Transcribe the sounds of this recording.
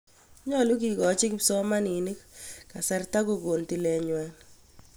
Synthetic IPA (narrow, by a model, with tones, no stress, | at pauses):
ɲɔ˦lu˦ki˨kɔ˨t͡ʃɪ˦kpsɔ˦ma˦ni˨ni˦kka˨sɛ˦rta˦ko˨ɡo˨nti˨lɛ˨ɲwa˨n